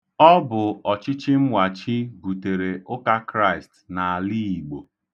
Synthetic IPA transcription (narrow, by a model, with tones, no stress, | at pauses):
ɔ˦bʊ˨ɔ˨t͡ʃɪ˦t͡ʃi˦m̩˦wa˨t͡ʃi˦bu˨te˨ɾe˨ʊ˦ka˦kɾa˦ɪ˨stna˨a˨li˦i˨ɡ͡bo˨